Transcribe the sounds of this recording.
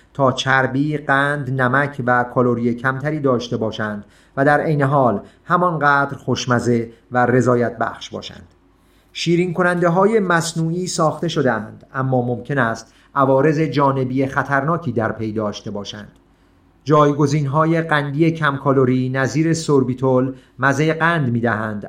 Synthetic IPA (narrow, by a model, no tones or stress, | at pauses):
t̪ʰɒːt͡ʃʰæɾbiːɢænd̪næmækʰvækʰoloɾijecʰæmt̪ʰæɾiːd̪ɒːʃt̪e̞bɒːʃænd̪̥ | væd̪æɾʔe̞jne̞ɦɒːlhæmɒnɢæːd̪ɾxoʃmæze̞ | være̞zɒːjæt̪̚bæ̰xʃbɒ̰ːʃæ̰nd̪̥ | ʃiːɾiːŋkʰo̞nænd̪e̞ɦɒːje̞mæsnuːiːsɒːxt̪e̞ʃo̞d̪eænd̪̥æmːɒːmomcʰe̞næst̪ | ʔævɒːɾe̞ze̞d͡ʒɒːne̞bijexæt̪ʰæɾnɒːcʰiːd̪æɾpʰe̞jd̪ɒːʃt̪e̞bɒːʃæ̰nd̪̥ | d͡ʒɒːjɡo̞ziːnɦɒːje̞ɢænd̪iːje̞cʰæmkʰoloɾiːnæziːɾe̞soɾbiːt̪ʰolmæzejeɡænd̪miːd̪æɦænd̪̥